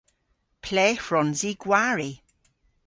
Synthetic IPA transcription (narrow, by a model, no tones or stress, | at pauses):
pʰlɛːfɹɔnziɡwaɹi